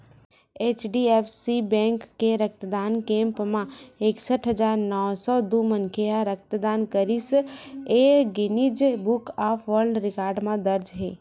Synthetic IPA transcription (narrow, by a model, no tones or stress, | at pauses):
et͡ʃɖiepʰsibɛ̃ŋkːeɾək̚t̪əd̪ankẽmpmãeksəʈʰɦəd͡ʒaɾnɔwsɔd̪umənkʰeaɾək̚t̪əd̪ankəɾiseɡinid͡ʒbukapʰʋəɾɖɾikaɾɖmẽd̪əɾd͡ʒɦe